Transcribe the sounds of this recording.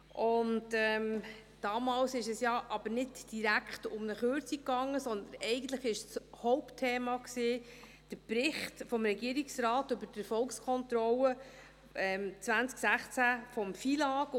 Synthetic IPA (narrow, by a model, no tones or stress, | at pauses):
ʔʊntɛm | d̥ɑːmɑːlsɪʃɛsjɑʔɑb̥əɾnɪdd̥iɾækχtʊmnəχøɾt͡sikːɑŋːəsɔnd̪ənɛɪɡən̩t̪ləχɪʃshɔʊptʰːeːmɑksiː | d̥əɾpɾɪχtfɔmɾɛɡiːəɾiksɾɑːtɵbəɾtɛɾfɔlkskʰɔnt̪ɾɔlə | ɛmt͡sʋænt͡sksæχt͡sæfɔmfilɑːk